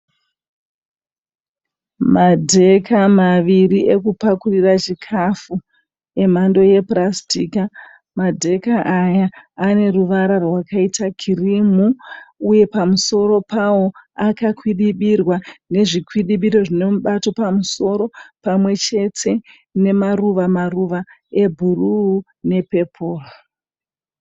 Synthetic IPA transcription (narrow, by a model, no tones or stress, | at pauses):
madʱe̞kamaʋiriʔe̞kupakurirat͡ʃikʰafu | e̞m̤ando̞je̞prastika | madʱe̞kaʔajaːne̞ruʋaɾarwakaitakʰirimuuje̞pamuso̞ɾo̞pawo̞akakwiɗiɓirwane̞ʐikwiɗiɓiɾo̞ʐine̞muɓato̞pamuso̞ɾo̞pamwe̞t͡ʃe̞tʰe̞ | ne̞maruʋamaruʋa | e̞bʱuruː | ne̞pe̞pʰoːro